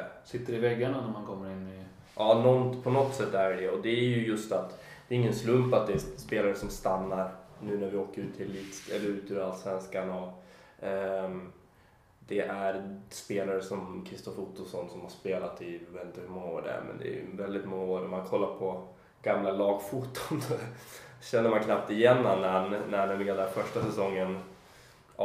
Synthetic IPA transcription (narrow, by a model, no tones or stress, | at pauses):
sɪt̪ːəɾɪvɛɡːaɳanæɾmankʰɔmːəɾɪnːɪ | ʔɑːnɔnpʰɔnɔt̪ːsɛt̪ːæɾɖɛɔd̪ɛæɾjɵjɵst̪at̪d̪̥ɛːɾɪŋːənslɵmpat̪̚d̪ɛspeːlaɾəsɔmst̪anːaɾnʉ̟ːnæɾvɪoːkəɾʉ̟ːt̪ʰːɪlːit̪ɛ̰lːəɾʉ̟ːt̪ʉɾalsvɛnskanɔ | d̪̥ɛʔæɾspeːlaɾəsɔmkʰɾɪst̪ɔfuːt̪ɔlsɔnːsɔmhaʂspeːlat̪ɪveːt̪nt̪əhʉmɔŋːaoːɖæ̰æ̰ɾmʔɛ̰nd̪ɛ̰ːjɵ̰vɛld̪ɪt̪mɔŋːaoːɾɔmːankʰɔlːaɾpʰɔ | ɡ̥amlalɑːɡfuːt̪ːʊnsɔɕɛnːəɾmankʰnap̚t̪ɪjɛnːanːænːænɛːmlɪɡand̪æɾfœʂʈasɛsɔŋːən